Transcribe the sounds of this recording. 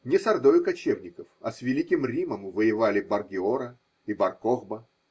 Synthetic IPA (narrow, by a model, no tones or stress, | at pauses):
nʲɪsɐrd̪ojʊkɐt͡ɕevnʲɪkəfɐ̰svʲɪlʲikʲɪmrʲiməmvəjɪvalʲɪbɐrɡʲɪoɾə | ibɐrkoɣbə